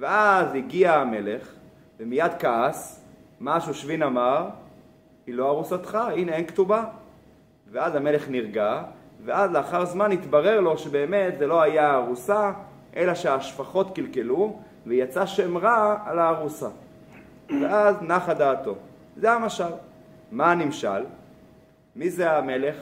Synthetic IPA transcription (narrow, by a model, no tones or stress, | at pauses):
veaziɡiaːme̞le̞χ | vemijad̪kaas | maʃuʃvinamaʁ | hiloaʁusat̪χaineenkt̪uba | veazame̞le̞χniʁɡaveʔazleaχaʁzmanit̪baʁe̞ʁlo̞ʃebe̞ːme̞t̪zelo̞ajaːʁusa | ʔe̞laʃeaːʃfaχo̞t̪kilke̞lu | vejat͡saʃemʁaalaːʁusa | veʔaznaχad̪aːt̪o̞ | zeamaʃal | manimʃa̰l | mizeame̞le̞χ